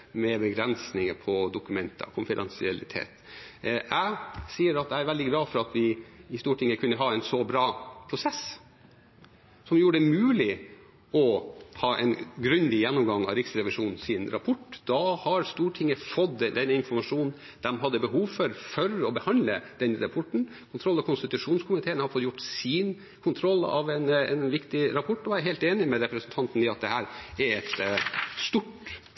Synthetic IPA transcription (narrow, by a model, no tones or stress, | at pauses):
mɛbəɡɾɛnsnɪŋəpʰɔd̪ʊkʉmɛnt̪ʰə̰kʰʊnfɪd̪ɛnsɪɛlɪt̪ʰḛːt̪ʔæɪsiːəɾɑt̪æɪæɾʋɛld̪ɪɡlɑːfɔɾɑt̪ʰʋɪɪst̪uːʈʰɪŋːəkʰʉnːəɦɑːɛɪnsɔbɾɑːpʰɾʊsɛs | sɔmjuːɾəɖ̪ɛmʉːlɪ | ɔhɑːʔɛ̰nɡɾʉnd̪ɪjɛnːʊmɡɑŋːɑ̰ɾɪksɾɛʋɪʂuːnn̩sɪnɾɑpʰɔʈːd̪̥ɑhɑɾst̪uːʈʰɪŋːəfɔd̪d̪ɛnːɪnfɔɾmɑʂuːnn | d̪̥ɛmɦɑd̪ːəbəhuːʋfɔɾfœɾɔbəhɑnd̪ləd̪̥ɛnɾɑpʰɔʈːɳ̩ | kʰʊnt̪ʰɾɔlːɑkʰʊnst̪ɪt̪ʉʂuːnskʰʊmɪt̪ʰeːnhɑɾfɔt̪jʊʈːsiːn | kʰʊnt̪ʰɾɔlːɑ̰ʋɛnɛnʋɪkt̪ɪɾɑpʰɔʈːɔæɦeːlt̪eːnɪmɛɾɛpɾəsnt̪ʰɑnt̪n̩ɪɑt̪̚d̪ɛhæːɾɛɾɛt̪st̪ʊʈ